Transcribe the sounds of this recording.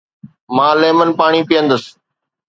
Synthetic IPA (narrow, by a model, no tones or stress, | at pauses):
mãːleːmənpaːɳ̃iːpɪjə̃nd̪əs